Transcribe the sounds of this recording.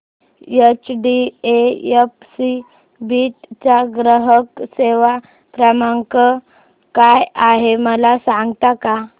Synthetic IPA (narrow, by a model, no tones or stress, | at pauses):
jet͡ɕɖiejefsi | biʈt͡ɕaɡɾəɦəkseʋa | pɾəmaŋkə | kajaɦeməlasãŋɡt̪aka